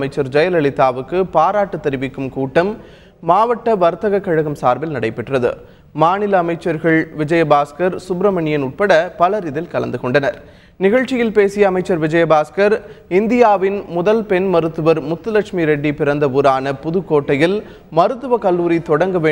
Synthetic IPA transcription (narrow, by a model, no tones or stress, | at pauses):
mɐɪt͡ʃːɐɾd͡ʒɐjɐlɐɭɪt̪ːaːʋɯkːɯpaːɾaːʈːɐt̪ːɐɾɪʋɪkːɯmkuːʈːɐm | mːaːʋɐʈːɐʋɐɾt̪ɐɣɐkːɐɻɐɣɐmsaːɾbɪlnɐɽɐɪpːɛʈrɐðɯ̰ | maːnɪlɐːmɐɪt͡ʃːɐɾɣɐɭʋɪd͡ʒɐjɐbaːskɐɾsʊbɾɐmɐɳɪjɐnʊʈ̚pɐɽɐpɐlɐɾɪðɪlkɐlɐnd̪ɯkɔɳɖɐnɐɾ | nɪɣɐɭt͡ʃːɪjɪlpeːsɪjɐːmɐɪt͡ʃːɐɾʋɪd͡ʒɐjɐbaːskɐɾɪnd̪ɪjaːʋɪnmʊðɐlpɛnmɐɾɯt̪ːɯʋɐɾmʊt̪ːɯlɐkʂmiɾɛɖːipɪɾɐnd̪ɐʋuɾaːnɐpʊðɯkːoːʈːɐjɪl | mɐɾɯt̪ːɯʋɐkɐlːuːɾit̪ɔɽɐŋɡɐʋeː